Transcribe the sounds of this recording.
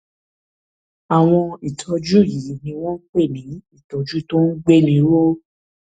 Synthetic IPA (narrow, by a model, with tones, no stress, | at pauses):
a˨w̃ɔ̃˧i˨tʰɔ˧d͡ʒu˦˨ji˨ji˨nĩ˧˦w̃ɔ̃˦k͡pe˦˨nĩ˨˦i˦˨tɔ˨˧d͡ʒu˦to˦n̩˦ɡ͡be˦˨nĩ˨˦ɾo˦